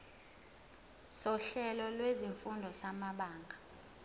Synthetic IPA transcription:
sɔɬɛlɔlweziɱfundʱɔsamaɓaːŋɡʱa

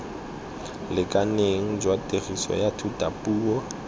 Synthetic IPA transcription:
lɪkʼaneŋ̩d͡ʒwatʼerisɔ̰jatʰutʼapʼuːɔ

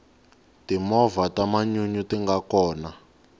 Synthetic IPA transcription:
timɔvatamaɲuɲutiŋɡakɔːna

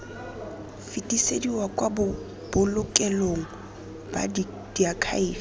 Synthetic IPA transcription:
fitʼisediwakʼwabʊ | b̥ʊlʊkʼɛloŋ̩ | b̥a̰d | d̥iakʰa̰iːf

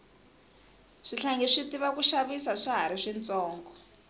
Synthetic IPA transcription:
ʂiɬaŋɡɛʂitiβakuʃaβisaʂaɦaɾiʂint͡sɔːŋɡɔ

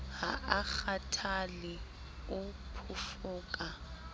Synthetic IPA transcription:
ha̰ʔak͡xatʰalɪ | ʊpʰʊfʊːkʼa

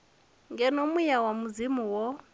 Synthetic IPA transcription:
ŋɡɛnomujawamuzimuwɔ

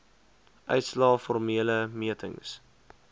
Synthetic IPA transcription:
ʔœ̰ɥtslɑːfɔrmiələmiətʰəŋs

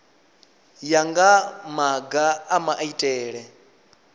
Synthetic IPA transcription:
jaŋɡamaɡaamaʔaitʼɛːɺɛ

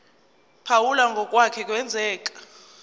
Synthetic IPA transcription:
pʰawulaŋɡʱɔk̬ʼwakʰɛk̬ʼwɛnd͡zʱɛːk̬ʼḁ

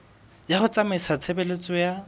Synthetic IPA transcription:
jaχʊt͡sʼamɪsat͡sʰebelet͡sʼɔja

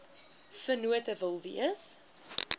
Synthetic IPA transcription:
fənuətəvəlˠvḭəs

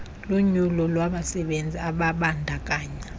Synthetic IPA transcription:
loɲulɔlwaɓasɛɓend͡zʱiaɓaɓandʱakʼaːɲa

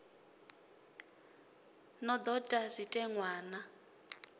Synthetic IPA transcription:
nɔd̪ɔtʼazʷitʼɛŋwaːna

